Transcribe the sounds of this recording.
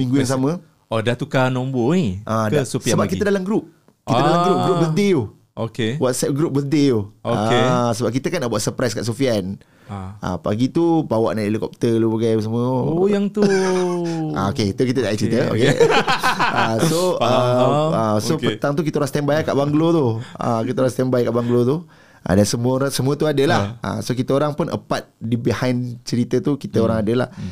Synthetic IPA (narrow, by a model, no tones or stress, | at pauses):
mĩŋɡujaŋs̬amə̃ | odat̪ukanɔmboniʔaasofiəəbap̚kiədalamɡɾup̚ | kit̪ədalamɡɾup̚ɡɾupbədeu | okewatsɛt̚ɡɾup̚bəsdeooaesəbap̚kit̪əkanːaʔbuaʔsəpɾajska̰ʔsofian | ʔa̰pa̰ɡit̪ubawa̰ʔnaʔelikɔp̚t̪əlubaɡajpəs̬amə̃jaŋt̪u | a̰o̰ket̪ukit̪ədaʔit͡ʃəɾit̪əo̰ke | əsoəəsopət̪aŋt̪̬uk̬it̪əɾast̪ɛmbajakaʔbaŋɡlot̪uə̰kit̪əɾast̪ɛmbajkaʔbaŋɡlot̪u | ʔa̰dansəmuəɾasəmuət̪uadəlahʔa̰sokit̪əoɾaŋpʊnʔə̰pat̪̚dibihajnt͡ʃəɾit̪ət̪ukit̪əoɾaŋadəla